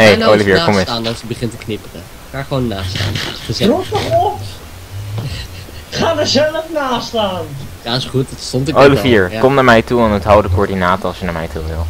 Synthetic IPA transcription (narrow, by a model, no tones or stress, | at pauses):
nejowliviːɹkɔmsaːndɑsəbəχɪntəknɪpərə | χaːχəʋownːaːsta̰ːnəzruəχɔp | χaːdəzɛləfnaːstaːnjaɪsχuttstɔntowliviəɹkɔmnaːɹmɛjtuanətɦawdəkoːɹdinaːtəɑlˠsjənaːɹmɛ̰jtʰuʋɪ̰lˠ